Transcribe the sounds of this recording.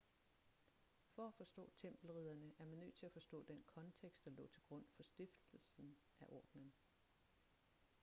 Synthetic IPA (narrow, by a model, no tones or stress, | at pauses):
fɒ̽æfɒ̽sd̥ɔ̰̽ːt͡sʰem̰b̥l̩ʁið̰ˠɐnəʔæɐmænːø̰t͡sʰe̝læfɒ̽sd̥ɔ̰ːd̥enkʰɒ̽nt͡sʰeɡ̥sd̥ɑ̈lɔ̰̽ːt͡sʰe̝lɡ̥ʁɔ̽n̰fɒ̽sd̥e̝fd̥l̩sn̩ | ʔæʔɒːd̥nən